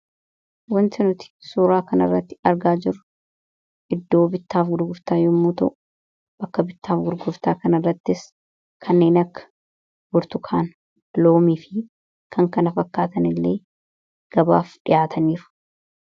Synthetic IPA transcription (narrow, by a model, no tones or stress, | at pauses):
wɐnt̪ɪnʊt̪ɪ̥suːɾaːkɐnɐrːɐt̪ːɪ̥ɐɾɡaːd͡ʒɪɾʊ̥ | ʔɪd̪ːo̞ːbɪt̪ːaːfɡʊɾɡʊɾt̪aːjɔmːuːt̪ɐʔʊ̥ | bɐkːɐbɪt̪ːaːfɡʊɾɡʊɾt̪aːkɐnɐrːɐt̪ːɪs | kʰɐnːe̞ːnɐkːɐ̥ | ɡʊɾt̪ʊkʰaːn | loːmiːfɪ | kʰɐŋkɐnɐfɐkːaːt̪ɐnɪlːe̞ː | ɡ̥ɐba̰ːfᶑɪ̰jaːt̪ʰɐniːɾʊ̥